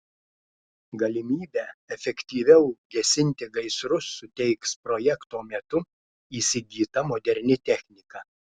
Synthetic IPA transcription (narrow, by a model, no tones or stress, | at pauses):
ɡɐlʲɪmʲiːbʲɛːɛfʲɛkʲt̪ʲiːʋʲɛʊɡʲɛsʲɪnʲt̪ʲɪɡɐɪsɾʊsːʊt̪ʲɛɪkspɾɔjɛkt̪oːmʲɛt̪ʊ | iːsʲɪɡʲiːt̪ɐmod̪ʲɛɾʲnʲɪt̪ʲɛxʲnʲɪkɐ